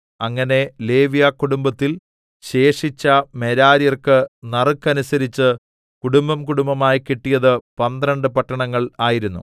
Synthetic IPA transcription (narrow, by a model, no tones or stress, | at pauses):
ɐŋːɐne̞le̞ːʋijakːuɽumbɐt̪ːil | ɕe̞ːʂit͡ɕːɐme̞ɾaːɾjɐrkɨnɐrɨkːɐnusɐɾit͡ɕːɨ | kuɽumbɐmkuɽumbɐmaːjkiʈːijɐðɨpɐnd̪rɐɳɖɨpɐʈːɐɳɐŋːɐɭaːjiɾunːṵ